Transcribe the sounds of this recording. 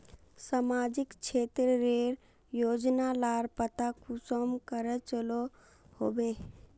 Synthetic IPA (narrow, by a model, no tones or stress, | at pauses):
samad͡ʒɪkt͡ʃʰeːt̪ɾəɾeɾ | joːd͡ʒnalaːɾpət̪akʰusomkəɾət͡ʃəlo | hoːbe